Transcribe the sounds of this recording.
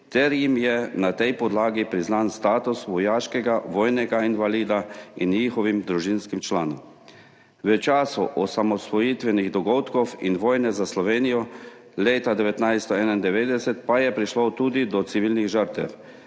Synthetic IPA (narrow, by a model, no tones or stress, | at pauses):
t̪ɛɾjimjɛnat̪ɛjpɔd̪laːɡipɾiznanst̪aːt̪usʋɔjaːʃkɛɡaʋɔːjnɛɡainʋaliːd̪ainɲixɔʋimd̪ɾuʒinskimt͡ʃlaːnɔm | ʋət͡ʃaːsuʔɔsamɔsʋɔjit̪ʋɛniɣd̪ɔɡɔwt̪kɔwinʋɔːjnɛzaslɔʋeːnijɔ | leːt̪ad̪ɛʋɛt̪najst̪ɔɛːnaind̪ɛʋeːd̪ɛsɛt̪pajɛpɾiʃlɔwt̪uːd̪id̪ɔt̪siʋiːlniɣʒəɾt̪ɛ̰w